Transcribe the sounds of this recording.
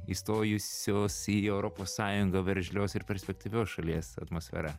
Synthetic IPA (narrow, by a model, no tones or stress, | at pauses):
ist̪oːjʊsʲoːsiɛʊɾopoːssɑːjʊŋɡɐʋʲɛɾʲʒʲlʲoːsɪɾpʲɛɾʲsʲpʲɛk̚t̪ʲiːʋʲoːsʃɐlʲiɛsɐ̰t̪moːsʲfʲɛ̰ɾɐ